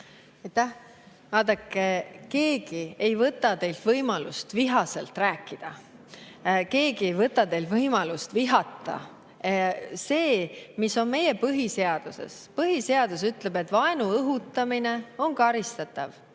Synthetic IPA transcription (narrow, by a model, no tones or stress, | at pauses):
ɑjt̪ːæh | vɑːd̪̥ɑkːˑeke̞ːɡie̞jvɤt̪ːˑɑt̪e̞jlt̪vɤjmɑlust̪viɦɑse̞̰lt̪ræːkːid̪̥ɑ | ke̞ːɡie̞jvɤt̪ːˑɑt̪e̞jlt̪vɤjmɑlust̪viɦɑt̪ːˑɑ̰ | se̞ːmiso̞nme̞jepɤɦise̞ɑd̪̥use̞̰spɤɦise̞ɑd̪̥us̬yt̪ˑle̞be̞t̪ːˑvɑenuɤɦut̪ːˑɑmine̞o̞nkɑɾist̪ɑt̪ːˑɑv